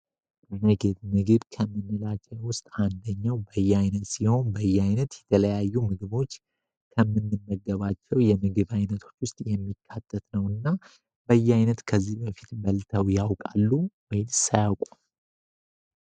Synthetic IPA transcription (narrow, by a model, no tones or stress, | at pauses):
pʼeneɡet̪mɨɡɨβkʰəmːɨnːɨlat͡ʃʼːɛwʊst̪ʼand̪əɲːawbəjːɛajnət̪siho̞nbəjːɛajnət̪jɛt̪ʰələjajːumɨɡɨβo̞t͡ʃː | kʰəmːɨnːɨnːəɡːəβat͡ʃːɛwjɛmɨɡɨβajnət̪ʰo̞̥t͡ʃːwʊst̪ʼjɛmːikʰːat̪ʰːət̪nəwɨnːa | bəjːɛajnət̪kʰəzːihbəfi̥t̪bəlt̪ʰəwjawkʼalːuwɔjsajawkʷʼu